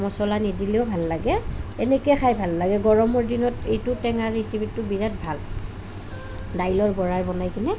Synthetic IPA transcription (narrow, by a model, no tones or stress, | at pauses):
mɔsɔlanidileʊbʱalːaɡɛɛnɛkɛxʰajbʱalːaɡɛɡɔɹɔmɔɹdinɔtejtʊtɛŋaɹisibitːʊbiɹat̚bʱal | dajlɔɹbɔɹaɹbɔnajkinɛ